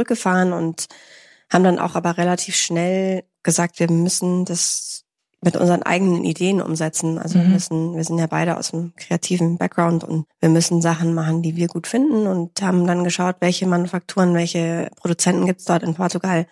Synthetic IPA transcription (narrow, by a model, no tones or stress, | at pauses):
t͡sʊʁʏk̚ɡ̥əfaːʁənʊnt | haːbm̩danʔa̰ʊxʔaːbɐʁelatʰiːfʃnɛl | ɡ̥əzaːk̚tv̥iːɐmʏsn̩d̥as | mɪtʔʊ̰nzəʁənʔa̰ɪɡənə̰nʔḭdeːənʔʊ̰mzɛt͡sn̩ʔa̰lzoviːɐmʏsn̩viːɐzɪntjaːbaɪɾəʔa̰ʊsd̥mkʁ̥eatʰiːvn̩bɛk̚ɡ̥ʁaʊntʊ̰ntv̥iːɐmʏsn̩zaχn̩maχn̩diːviːɐɡuːtfɪndn̩ʊnthaːbm̩danɡəʃaʊtv̥ɛlçəmanufak̚tʰuːʁənvɛlçəpʁ̥oɾut͡sɛntn̩ɡiːp̚tsd̥ɔɐtɪnpʰɔɐtuɡal